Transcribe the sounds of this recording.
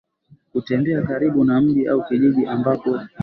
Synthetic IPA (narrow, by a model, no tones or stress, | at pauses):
kutɛmbɛakaɾiɓunam̩ʄiʔa̰ukiʄiʄiʔambapɔ